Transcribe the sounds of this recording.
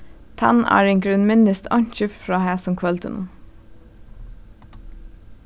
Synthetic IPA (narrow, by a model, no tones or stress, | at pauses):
t̪ʰɑ̰næ̰ːɹeːŋɡɹʉnmɪnəst̪ʰɑɲçəffɹɑːhæːsɔmkʰʋœlt̪ʰə̰nṵː